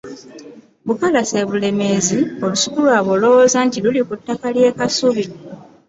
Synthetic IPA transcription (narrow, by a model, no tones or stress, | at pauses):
βukalase̞βule̞me̞ːzio̞lusu̥kulwaːβo̞lo̞wozaːntilulikutːakalje̞ːkasuβi